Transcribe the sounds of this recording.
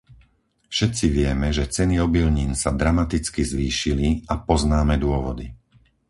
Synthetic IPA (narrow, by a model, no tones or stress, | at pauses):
fʃɛt̪t͡siʋɪɛmɛʒɛt͡sɛniɔbilɲiːnsad̪ɾamat̪it͡skizʋiːʃiliapɔznaːmɛd̪ʊɔʋɔd̪i